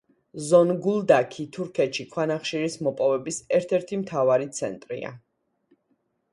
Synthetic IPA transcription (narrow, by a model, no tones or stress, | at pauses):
zɔnɡulˠd̪akʰit̪ʰuɾkʰɛt̪ʃikʰwanaχʃiɾismɔpʼɔvɛbisɛɾt̪ʰɛɾt̪ʰimt̪ʰavaɾit̪sʰɛ̰nt̪ʼɾḭa̰